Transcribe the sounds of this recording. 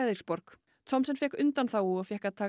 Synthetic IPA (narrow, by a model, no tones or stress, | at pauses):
ɛðɪɾ̥spɔɾk | t̪ʰɔmsɛnfjɛhkʏnt̪anθawuafjɛhkat̪ʰaː